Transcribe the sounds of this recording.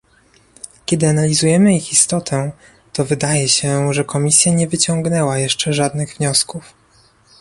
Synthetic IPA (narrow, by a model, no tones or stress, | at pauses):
kʲɛd̪ɘanalʲizujɛmɘixist̪ɔt̪ʰɛ | t̪ɔvɘd̪ajɛɕɛʐɛkɔmʲisʲjaɲɛvɘt͡ɕɔŋɡnɛwajɛʂt͡ʂɛʐad̪nɘɣvɲɔskuf